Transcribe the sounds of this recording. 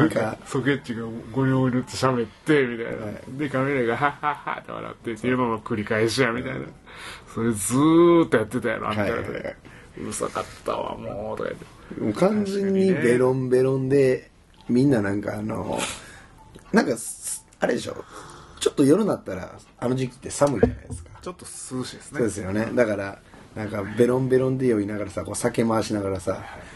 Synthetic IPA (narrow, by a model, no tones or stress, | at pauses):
nãkasoke̞t̪ːiɡaɡoɲʲõːɲiot̪ːeɕabe̞t̪ːemʲit̪a̰ina̰d̪ekameɾaɡaɦahaha̰t̪eβa̰na̰t̪ːet̪ːejɯmamakɯɾʲikaeɕ̬ijamʲit̪aina | so̞ɾe̞d͡zɨːt̪ːojat̪ːe̞t̪aja̰ɾo̰a̰t̪ːaɾa̰t̪ | ɯsa̰kat̪ʰːa̰βa̰moːot̪oka̰t̪ːemokãnd͡zẽ̞ɲ̟ːibe̞ɾõ̞mbe̞ɾõ̞nd̪e̞ | mʲĩnːanãŋkaːno̞̰ | nãŋkas | aɾe̞d̪e̞ɕo̞̰t͡ɕo̞t̪ːo̞joɾɯ̟nat̪ːaɾa̰ | ano̞ʑikʲi̥t̪ːe̞samɯ̟id͡ʑana̰jd̪e̞sɨ̥kḁt͡ɕot̪ːosɨɕid̪esssoːd̪e̞sɨjo̞ne̞d̪akaɾa | nãŋkabe̞ɾõ̞mbe̞ɾõ̞nd̪e̞jo̞inaɡaɾasako̞ːsake̞maːɕinaɡaɾasaa